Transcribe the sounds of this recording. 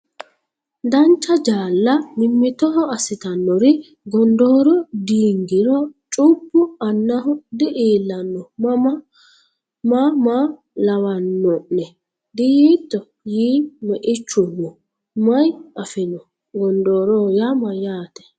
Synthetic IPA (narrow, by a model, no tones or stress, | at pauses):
d̪ɐnt͡ʃːɐd͡ʒaːlːɐnɪmːɪt̪ɔɦɔɐsɪt̪ɐnːɔɾɪ | ɡɔnd̪oːɾɔd̪iːŋɡɪɾɔt͡ʃʼupːʊɐnːɐɦɔd̪ɛʔeːlːɐnːɔ | mama | lɐwɐnːɔʔnɛ | d̪ɪjiːt̪ːɔ | jiːmɛʔɪt͡ʃːʊmːɔ | mɐjʔɐfɪnɔ | ɡɔnd̪oːɾɔjamɐjaːt̪ɛ̥